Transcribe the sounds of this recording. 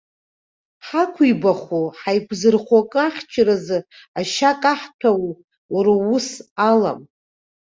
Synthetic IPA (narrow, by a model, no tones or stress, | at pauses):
ħakʷʰibaχoħajkʷʰzɨrχakʼɨaχʲt͡ʃʰrazɨ | aʃakʼaħtʰaw | uɾaʊsala̰m